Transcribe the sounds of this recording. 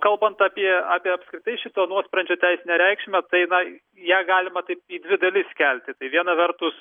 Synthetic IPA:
kɐlˠbɐnt̪ɑːpʲiɛɑːpʲiɛɐpskɾʲɪt̪ɐɪʃʲɪt̪oːnuɔspɾɐnʲd͡ʒʲoːt̪ʲɛɪsʲɪnʲɛɾʲɛɪkʃʲmʲɛt̪ɐɪnɐ | jæːɡɑːlʲɪmɐt̪ɐɪp̚iːd̪ʲʋʲɪd̪ɐlʲɪskʲɛlʲt̪ʲɪt̪ɐɪʋʲiɛnɐʋʲɛɾt̪ʊs

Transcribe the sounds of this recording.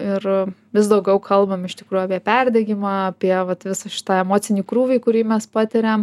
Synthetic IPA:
ɪrʋʲɪs̬d̪ɐʊɡʲɛʊkʰɐlˠbɐmɪʃʲt̪ʲɪkɾuːjuɑːpʲiɛpʲærʲd̪ʲɛɡʲɪmɑːɐpʲiɛʋɐt̪ʋʲɪsɐʃʲɪ̥t̪ɑːɛmoːt̪sʲɪnʲiːkɾuːʋʲɛɪkʊɾʲiːmʲɛspɑːt̪ʲɪɾʲɛm

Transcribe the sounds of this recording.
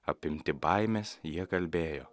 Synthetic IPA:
ɐpʲɪmʲt̪ʲɪbɐɪmʲesjiɛkɐlʲbʲeːjoː

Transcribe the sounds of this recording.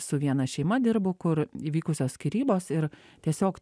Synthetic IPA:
sʊʋʲiɛnɐʃʲɛɪmɐd̪ʲɪɾbʊkʊɾiːʋʲiːkʊsʲoːsʲkʲɪɾʲiːboːsɪɾ | t̪ʲiɛsʲoːk

